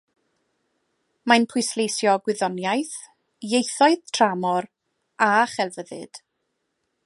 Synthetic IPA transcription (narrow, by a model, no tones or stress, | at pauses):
majnpʰʊjslejsjɔɡwɪðɔnjajθ | jejθɔɨðtʰramɔɾ | aχɛlˠvəðɨ̰d̥